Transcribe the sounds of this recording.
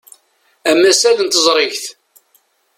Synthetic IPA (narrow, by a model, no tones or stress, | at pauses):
æmːæsæðənt̪əzˤɾˤɪʝθ